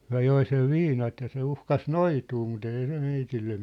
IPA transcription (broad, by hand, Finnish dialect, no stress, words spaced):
hyæ̝ joi seʋ ʋiːnɑt jɑ se uhkɑs noituː mut eˑi se meitilːe